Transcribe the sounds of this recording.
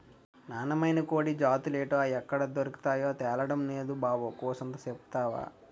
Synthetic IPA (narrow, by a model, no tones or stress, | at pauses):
naːnɐmɐjnɐkoːɽid͡ʒaːt̪uleːʈoːɐjɛkːɐɽɐd̪oɾuki̥t̪aːjoːt̪ɛːlɐɽɐmneːd̪ubaːʋoːkɔːsɐnt̪ɐsepu̥t̪aːʋa̰ː